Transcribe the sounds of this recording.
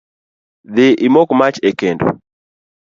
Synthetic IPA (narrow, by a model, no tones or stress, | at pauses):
ðɪʔɪmokmat͡ʃekendo̰